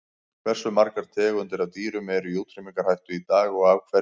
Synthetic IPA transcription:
kʰvɛr̥sʏmaɾkaɾ̥t̪ʰɛːɣʏnt̪ɪɾaðt̪iːɾʏmɛɾʏjowt̪ʰɾɪmiŋkaɾ̥hajht̪ʏit̪aːɣɔɣaːwkʰvɛ

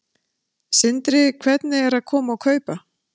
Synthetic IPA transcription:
sɪnt̪ɾɪkʰvɛt̪nɪɛɾaðkʰɔːmaːwkʰœːɥpa

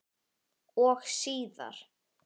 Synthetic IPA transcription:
ɔxsiːða̰ɾ̥

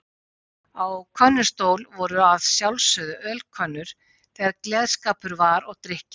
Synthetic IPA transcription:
awkʰœnːʏ̥st̪oːwlvɔɾʏaðsjawlsœðʏʔœlkʰœnːʏɾ̥ | θɛɣaɾklɛːðskaːpʏɾvaɾɔɣt̪ɾɪhcɪ

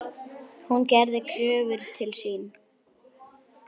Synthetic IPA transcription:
huncɛɾðɪkʰœːvɪɾ̥t̪ʰɪlsiːn

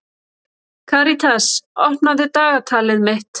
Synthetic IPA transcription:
kʰaːɾit̪ʰasɔhtnaðɪt̪aːɣat̪ʰaːlɪðmɪht̪

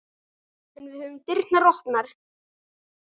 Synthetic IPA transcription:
ɛnvɪðhœvʏmt̪ɪrnnarɔhpnaɾ̥

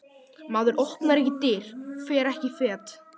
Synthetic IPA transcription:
maːðʏɾɔhpnaɾɛhcɪt̪ɪɾ̥fɛːɾɛhcɪfɛːt̪

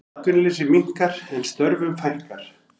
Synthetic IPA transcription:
kʏnlɪsɪmiŋ̥kaɾ̥ɛnst̪œɾvʏmfajhkaɾ̥

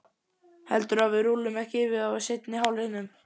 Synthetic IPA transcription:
hɛlt̪ʏɾavɪðɾuːlɪmɛhcɪɪvɪðawasejt̪nɪɦawlhɪnːʏm

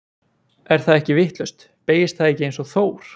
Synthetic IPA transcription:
ɛɾ̥θaðɛhcɪvɪht̪lœst̪ | peːjɪst̪θaðɛhcɪejnsɔθoːwɾ̥

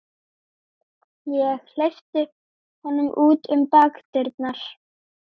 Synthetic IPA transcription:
jɛɣl̥ejft̪ɪ | hanːʏmʔuːt̪ʏmpaːkt̪ɪɾt̪naɾ̥

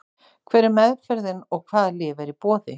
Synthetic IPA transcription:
kʰvɛːɾɪɾmɛðfɛɾðɪnɔɣkʰvaːðlɪːvaɾipɔːðɪ

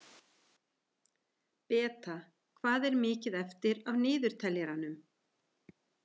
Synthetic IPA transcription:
pɛːt̪a | kʰvaːðɛɾmɪːcɪðɛft̪ɪɾavnɪːðʏɾ̥t̪ʰɛljɛɾanʏm

